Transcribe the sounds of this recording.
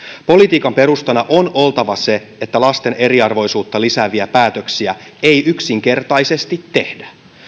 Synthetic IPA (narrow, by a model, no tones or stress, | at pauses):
po̞lit̪iːkɑmpe̞ɾust̪ɑnɑʔo̞no̞lt̪ɑʋɑse̞ | et̪ːælɑst̪e̞ne̞ɾiɑrʋo̞jsuːt̪ːɑlisæːʋiæpæːt̪øksiæe̞jyksiŋk̟e̞rt̪ɑjse̞st̪it̪ːe̞hdæ̥